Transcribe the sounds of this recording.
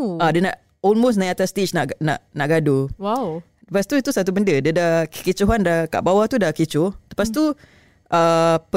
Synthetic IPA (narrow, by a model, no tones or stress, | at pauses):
adənaʔ | ɔlmos̬nãjat̪ast̪it͡ʃnaʔɡnã̰ʔnaʔɡaduwaw | təpast̪uit̪usat̪̬ubəndədədakə̥kit͡ʃuɦandaka̰ʔbawat̪udahkit͡ʃʊht̪əpas̬t̪u | ʔəp